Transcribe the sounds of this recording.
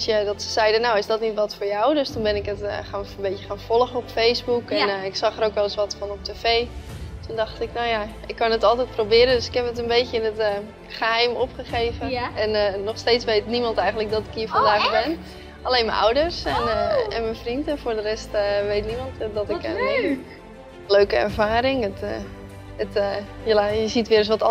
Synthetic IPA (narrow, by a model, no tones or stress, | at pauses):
sjadɔtsə̥sɛjdənowɪsdɔtnitʋɔtfʊːɹjawdøstunbɪnɪkətxanbejçəxaːnfɔlˠɣəɔpfejzbukɛnɪksɑxəɾoːkʋɛləsʋɔtfɔnɔp̚tʰeːfej | tundɑχtɪknowja | ɪkːɔnətɔlˠtɛjt̚probɪːɾəndʏsɪ̥kɦɛpət̬ənbejcəɪnət | χəɦɛjmɔpχəχejvəɛnnɔxsteːtsʋejtnimɑntɛjɣən̩tlək̚dɔtɪkɦiəfɔndaːxbɛn | ʔaleːnmənɔ̰wdəɹsɛnɛnmənfrindəfʊːɹdərɛstʋejtnimɑntdɔtɪkən | løːkəɛ̰ɹvaːɾɪŋət | ətjəlajəzitʋɪəɾəsʋɔt